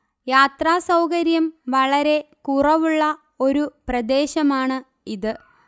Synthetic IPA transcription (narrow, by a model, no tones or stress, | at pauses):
jaːt̪raːsɐwkɐɾjɐmʋɐɭɐɾe̞kuːrɐʋuɭːɐ | o̞ɾuprɐd̪eːɕɐmaːɳɨ | iðɨ